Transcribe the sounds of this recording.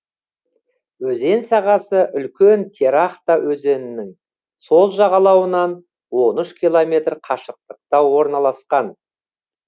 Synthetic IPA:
wɵze̞nsɑʁɑsəʔʏlkʲent̪ʰe̞ɾɑχt̪ɑwʔɵze̞nɪnɪŋ | so̞lˠʒɑʁɑlˠɑwənɑn | wo̞nʏʃkʲilˠomʲe̞t̪rqʰɑʃəq̚t̪əq̚t̪ɑwwo̞ɾnɑlˠɑsqɑn

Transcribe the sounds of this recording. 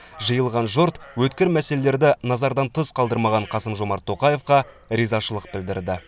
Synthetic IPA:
ʒəjəlˠʁɑnʒʊɾt̪wɵt̪kʲɪɾmæse̞lele̞ɾd̪ɪnɑzɑɾd̪ɑnt̪ʰəzqʰɑlˠd̪əɾmɑʁɑɴqʰɑsəmʒo̞mɑɾt̪ʰːo̞qɑje̞fqɑ | ɾizɑʃəlˠəq̚bɪld̪ɪɾd̪ɪ

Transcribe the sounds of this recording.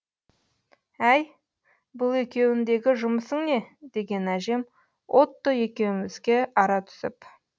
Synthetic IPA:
æj | bʊlˠe̞kʲe̞wɪnd̪e̞ɡʲɪʒʊməsəŋne̞d̪̥e̞ɡʲe̞næʒe̞m | wʔo̞t̪ːəe̞kʲe̞wɪmɪzɡʲe̞ɑɾɑt̪ʰʏ̥sɪ̰p

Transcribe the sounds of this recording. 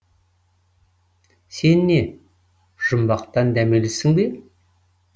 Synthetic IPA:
se̞nːe̞ | ʒ̥ʊmbɑqt̪ɑnd̪æmelesɪŋbe

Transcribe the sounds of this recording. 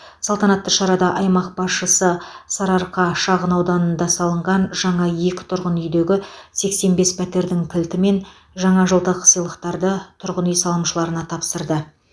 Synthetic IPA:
sɑlˠt̪ɑnɑt̪ːəʃɑɾɑd̪ɑʔɑjmɑq̚bɑsʃəsəsɑɾɑɾqɑʃɑʁənɑwd̪ɑnənd̪ɑsɑlˠəɴʁɑnʒɑɴɑje̞kʲɪ̥t̪ʰʊɾʁənʏjd̪e̞ɡʲɪse̞kse̞nbe̞spʰæt̪e̞ɾd̪ɪŋk̪ʲʰɪlt̪ɪme̞n | ʒɑɴɑʒəlˠd̪əqʰsəjlˠəqt̪ɑɾd̪ət̪ʰʊɾʁənijsɑlˠəmʃəlˠɑɾənɑt̪ʰɑpsəɾd̪ə

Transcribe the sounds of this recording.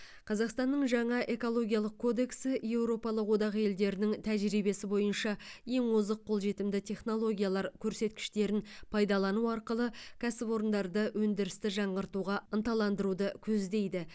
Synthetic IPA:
qʰɑzɑqst̪ɑnːəɴʒɑɴɑʔe̞ko̞lˠo̞ɡʲijɑlˠəq̚kʰo̞d̪e̞ksɪje̞wɾo̞pɑlˠəqwo̞d̪ɑʁəje̞ld̪e̞ɾɪnɪŋt̪ʰæʒɾibe̞sɪbo̞jənʃɑje̞ŋwozəqʰːo̞lˠʒe̞t̪ɪmd̪ɪt̪ʰʲe̞χno̞lˠo̞ɡʲijɑlˠɑɾkʲʰɵɾse̞t̪kʲɪ̥ʃt̪e̞ɾɪnpʰɑjd̪ɑlˠɑnuɑɾqəlˠəkʲʰæsɪpo̞ɾənd̪ɑɾd̪əwɵnd̪ɪɾɪst̪ɪʒɑɴʁəɾt̪uʁɑənt̪ɑlˠɑnd̪əɾud̪əkʲʰɵzd̪e̞jd̪ɪ

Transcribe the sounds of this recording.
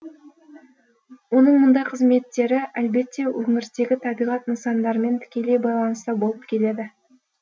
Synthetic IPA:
wo̞nəɴmʊnd̪ɑjqʰəzme̞t̪ːe̞ɾɪʔælbe̞t̪ːe̞wɵŋɪɾst̪e̞ɡʲɪt̪ʰɑbijʁɑt̪nəsɑnd̪ɑɾme̞nt̪ʰɪ̥kʲe̞le̞jbɑjlˠɑnəst̪əbo̞lˠəp̚kʲʰe̞le̞d̪ɪ

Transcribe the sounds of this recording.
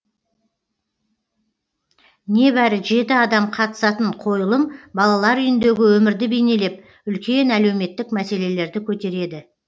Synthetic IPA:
ne̞bæɾɪʒe̞t̪ɪɑd̪ɑmqʰɑt̪ə̥sɑt̪əɴqʰo̞jəlˠəmbɑlˠɑlˠɑɾʏjɪnd̪e̞ɡʲɪwɵmɪɾd̪ɪbe̞jne̞le̞p̚ | ʏlkʲe̞næle̞wme̞t̪ːɪkmæse̞le̞le̞ɾd̪ɪkʲʰɵt̪e̞ɾe̞d̪ɪ

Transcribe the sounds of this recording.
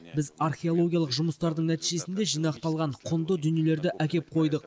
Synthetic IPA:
bɪzarχʲe̞o̞lˠo̞ɡʲijɑlˠəqʒʊməst̪ɑɾd̪əɴnæt̪ijʒe̞sɪnd̪e̞ʒijnɑqt̪ɑlˠʁɑɴqʰʊnd̪əd̪ʏnjele̞ɾd̪ɪʔækʲe̞p̚qʰo̞jd̪əq

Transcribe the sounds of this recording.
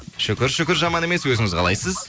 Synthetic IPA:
ʃʏkʲɪɾʃʏkʲɪɾʒɑmɑne̞me̞swɵzɪŋɪzqʰɑ̰lˠɑ̰jsəz

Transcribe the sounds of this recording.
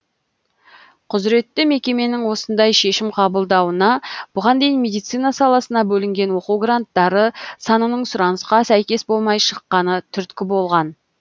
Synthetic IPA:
qʰʊzɾe̞t̪ːɪme̞kʲe̞me̞nɪŋwo̞sənd̪ɑjʃe̞ʃɪmqʰɑbəlˠd̪ɑwənɑb̥ʊʁɑnd̪e̞jinme̞d̪ijt̪sijnɑsɑlˠɑsənɑbɵlɪŋɡʲe̞nwo̞quɡrant̪ːɑɾəsɑnənəɴsʊɾɑnəsqɑsæjkʲe̞sbo̞lˠmɑjʃəqːɑnət̪ʰʏɾt̪kʲɪbo̞lˠʁɑn

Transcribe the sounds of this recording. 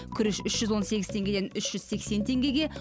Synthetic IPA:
kʲʰʏɾɪʃʏʃʒ̥ʏzwo̞nse̞ɡʲɪz̥t̪ʰe̞ŋɡʲe̞d̪enʏʃʒ̥ʏzsekse̞nt̪ʰe̞ŋɡʲe̞ɡʲe̞

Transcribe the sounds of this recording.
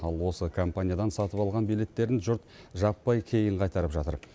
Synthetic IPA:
ɑlˠwo̞səkʰompanʲijad̪ɑnsɑt̪əpɑlˠʁɑnbele̞t̪ːe̞ɾɪnʒʊɾt̪ʒɑpːɑjkʲʰe̞jɪɴqʰɑjt̪ɑɾəpʒɑt̪əɾ

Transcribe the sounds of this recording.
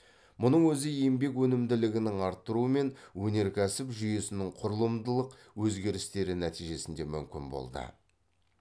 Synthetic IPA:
mʊnəɴwɵzɪjembe̞kwɵnɪmd̪ɪlɪɡʲɪnɪŋɑɾt̪ːəɾuəme̞nwɵne̞ɾkʲʰæsɪpʒʏje̞sɪnɪŋqʰʊɾəlˠəmd̪əlˠəq | wɵzɡʲe̞ɾɪst̪e̞ɾɪnæt̪ijʒe̞sɪnd̪e̞mʏ̰mkʲɪnbo̰lˠd̪ə̰

